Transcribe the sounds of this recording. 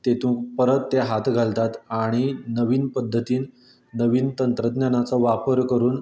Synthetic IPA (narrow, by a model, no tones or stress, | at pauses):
t̪et̪ũːkpəɾət̪ːeɦat̪ʰɡʱalt̪at̪aɽ̃inəʋiːnpəd̪ʱːət̪iːnː | əʋiːnt̪ənt̪ɾəd̪njanat͡səʋapəɾkəɾuːn